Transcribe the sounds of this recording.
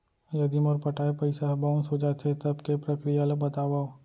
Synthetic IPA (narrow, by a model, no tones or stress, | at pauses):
jɐd̪imɔːɾpɐʈaːepɐɪsaɦbaʊnsod͡ʒat̪ʰet̪ɐbkepɾɐkɾijalobɐt̪aːʋao